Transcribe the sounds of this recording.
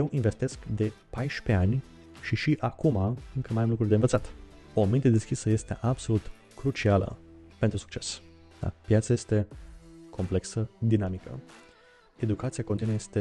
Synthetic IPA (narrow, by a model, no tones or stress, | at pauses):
jewʔinve̞st̪e̞skd̪e̞pajʃpe̞anʲ | ʃiʃiʔakumaɨŋkəmajamlukɾurd̪envət̪sat̪ | omint̪e̞d̪eskʲisəje̞st̪e̞̰ʔabso̞lut̪ | kɾut͡ʃialə̰pe̞nt̪ɾusu̥kt͡ʃe̞s | d̪a̰pjat̪saje̞st̪e̞kʰo̞mple̞ksəd̪inamikə̰ | e̞d̪ukat̪sijakont̪inuejest̪e